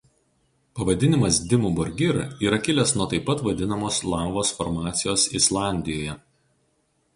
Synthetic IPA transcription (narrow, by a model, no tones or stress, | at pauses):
pɐʋɐd̪ʲɪnʲɪmɐsd̪ʲɪmuːbɔɾʲɡʲɪɾiːɾɐkʲɪlʲɛsnuɔt̪ɐɪpːɐt̪ʋɐd̪ʲɪnɐmoːslˠɑˑʊʋoːsfɔɾmɑːt̪sʲɪjoːsɪslˠɑˑnʲd̪ʲɪjoːjɛ